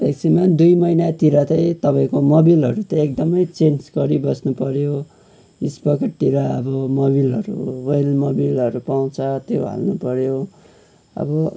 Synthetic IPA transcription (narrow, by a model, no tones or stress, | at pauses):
bʱeksimʌnd̪ujmʌjnat̪iɾatʌj̃t̪ʌpaĩkomobilɦʌɾut̪ʌek̚d̪ʌmʌjt͡sensɡʌɾibʌsnupʌɾjo | ispʌkeʈt̪iɾaʌbʌmoβilɦʌ̰ɾṵwʌlmobilʌɾupaw̃t͡sʰʌt̪joɦa̰lnupʌɾjo | ʌ̰bʌ